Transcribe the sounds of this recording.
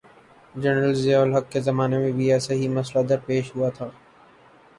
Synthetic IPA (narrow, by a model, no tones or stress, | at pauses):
d͡ʒɛnɾəlzjaːlɦɐkːezɐmaːnemẽbʱiɛːsaɦimɐslad̪ɐɾpeːʃɦuat̪ʰaː